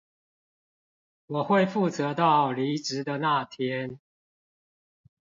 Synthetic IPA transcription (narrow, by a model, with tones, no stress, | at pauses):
wɔ˨˩xwe˥˨ɪfu˥˨t͡sə˨˦t̪ɑ˥˨ʊli˨˦ʈ͡ʂɻ̩˨˦d̪ə˨na˥˨t̪ʰjɛ˦n